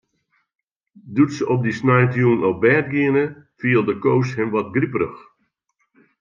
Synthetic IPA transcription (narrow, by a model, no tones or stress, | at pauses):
dutsəɔp̚disnɛjtjuːnɔp̚bɛːt̚ɡiənəfiəlˠdəkowshɪmʋɔt̚ɡripərə̰x